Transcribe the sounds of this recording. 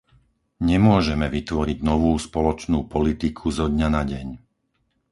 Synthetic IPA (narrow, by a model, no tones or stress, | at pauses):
ɲɛmʊɔʒɛmɛʋit̪ʋɔɾiɟnɔʋuːspɔlɔt͡ʃnuːpɔlit̪ikʰuzɔd̪ɲanaɟɛɲ